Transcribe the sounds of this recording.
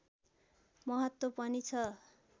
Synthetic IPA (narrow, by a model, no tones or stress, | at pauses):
mʌɦʌt̪wopʌnit͡sʰʌ